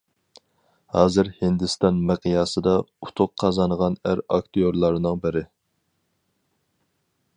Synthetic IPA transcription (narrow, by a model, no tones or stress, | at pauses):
hɑːzɨɾhɪnd̪ɪst̪ɑnmɪqʰijɑːsɨd̪ɑut̪ʰʊqʰːɑzɑnʁɑnæɾɑ̰k̚t̪ijoɾlˠɑɾnɨŋbɪɾɪ